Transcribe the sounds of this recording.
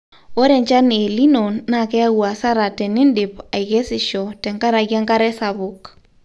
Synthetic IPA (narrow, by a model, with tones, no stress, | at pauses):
o˦ɾɛ˨ɲt͡ʃa˦n˨e˨li˦no˨nːa˨kɛ˦a˦ɣwa˨sa˦ɾa˨tɛ˨nɪ˦ndɪ˨pa˨ike˦sɪ˨ʃɔ˨tɛ˨ŋka˦ɾa˨ɣja˦ŋka˦ɾɛ˦sa˨βʊk